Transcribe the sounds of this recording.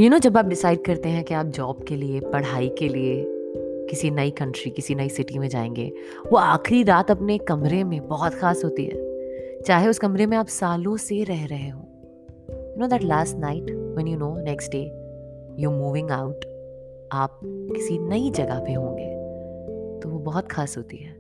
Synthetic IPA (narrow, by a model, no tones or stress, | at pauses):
jʊnoːd͡ʒɐbaːp̚ɖɪsaːɪɖ̚kɐɾt̪eɦɛ̃kiaːp̚d͡ʒɔːbkeliepɐɽ̤aːikeliekɪsinɐikɐ̃ɳʈɾikɪsinɐisɪʈimẽd͡ʒa̰ːẽːŋɡḛː | ʋoaːxɾiɾaːt̪ɐpnekɐmɾemẽbɔɦɔt̪xaːsɦoːt̪iɦɛ̰ːt͡ʃaːɦeʊskɐmɾemẽaːpsaːlõseɾɛɦɾɐɦeɦõː | junoːd̪æʈlaːsʈnaɪʈwɛ̃njunoːnɛksʈ̚ɖeːjɔːmuːʋɪ̃ŋɡaʊʈ | aːp̚kɪsinɐid͡ʒɐɡapeɦõːŋɡeː | t̪oʋobɔɦɔt̪xaːsɦoːt̪iɦɛː